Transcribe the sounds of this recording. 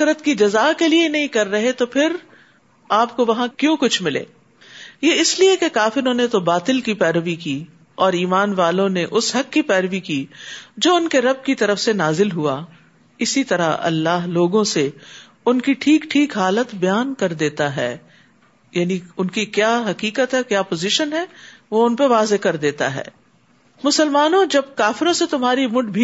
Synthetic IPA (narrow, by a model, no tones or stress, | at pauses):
ɾət̪kid͡ʒɐzaːkelienɐɦĩkɐɾːɐɦet̪opʰɪɾ | aːp̚koʋɐɦãkjõːkʊt͡ʃʰmɪlḛː | jeːɪsliekekaːfɪɾõnet̪obaːt̪ɪlkipɛːɾʋikiː | ɔːɾiːmaːnʋaːlõneʔʊsɦɐkːipɛːɾəʋikiːd͡ʒoːʊnkeɾɐb̚kit̪ɐɾəfsenaːzɪlɦua | ɪsit̪ɐɾaɐ̰lːaːɦloːɡõse | ʊnkiʈʰiːkʈʰiːkɦaːlət̪bɐjaːnkɐɾd̪eːt̪aɦɛ̰ː | jaːniʊnkikjaːɦɐkiːkət̪ɦɛkjaːpoːzɪʃənɦɛ | ʋoʊnpeʋaːzekɐɾd̪eːt̪a̰ɦɛ̰ː | mʊsəlmaːnõd͡ʒɐb̚kaːfɪɾõset̪ʊmɦaːɾimʊʈbʱi